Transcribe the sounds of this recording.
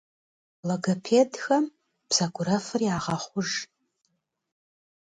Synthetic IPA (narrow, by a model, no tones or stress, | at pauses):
loɡɐpʰeːdxɐm | b̥z̥ɐɡʷʊɾɐfɨriaːʁɐχʷʊʒ